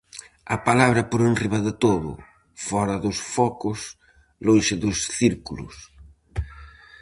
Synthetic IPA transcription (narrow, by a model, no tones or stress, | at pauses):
ɐ̰palaβɾɐpoɾenriβɐðɪt̪oðʊ̰ | fɔɾɐðʊsfɔkʊs | lõnʃɪðʊsθiɾkulʊ̰s